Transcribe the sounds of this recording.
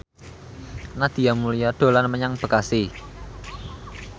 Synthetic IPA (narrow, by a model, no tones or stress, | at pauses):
nad̪̥i̤jamulijaɖ̪̥o̤lanməɲaŋb̥ə̤kasi